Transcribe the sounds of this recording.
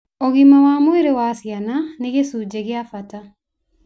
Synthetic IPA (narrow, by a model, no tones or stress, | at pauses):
oɣimawamweɾewasjananeɣesud͡ʒeɣeafata